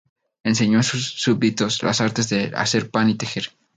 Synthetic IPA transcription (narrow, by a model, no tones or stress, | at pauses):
e̞ns̬e̞ɲosusːuβit̪o̞sla̰saɾt̪e̞zðea̰se̞ɾpanit̪e̞xe̞ɾ